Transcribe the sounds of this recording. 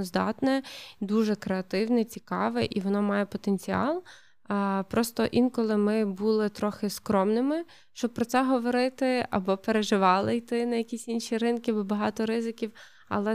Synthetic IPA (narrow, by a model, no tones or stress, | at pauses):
zd̪ɑ̰t̪nɛd̪uʒɛkɾeɐt̪ɪwnɛt͡sʲikɑ̰ʋɛʔiʋɔnɔmɑjɛpɔt̪enʲt͡sʲiɑ̰lˠ | pɾɔst̪ɔʔinkɔlˠɪmɪbulˠɪt̪ɾɔxɪskɾɔmnɪmɪ | ʃt͡ʃɔb̚pɾɔt̪sɛɦɔʋɔɾɪt̪ɪɐ̰bɔpeɾeʒɪʋɑlˠɪjt̪ɪnɐjɐkʲisʲinʃʲiɾɪnkʲɪbɔbɐɦɑt̪ɔɾɪzɪkʲiw | ɐ̰lˠɛ